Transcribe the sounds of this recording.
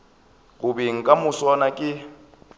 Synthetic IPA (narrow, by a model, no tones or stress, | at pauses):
ɣʊbeŋ̩kʼamʊsɔnakʼɪ